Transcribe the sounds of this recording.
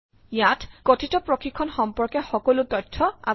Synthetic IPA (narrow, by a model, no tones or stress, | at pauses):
jatkotʰitɔpɹɔkʰikʰɔnxɔmpɔɹkɛxɔkɔlʊtɔtʰːɔa̰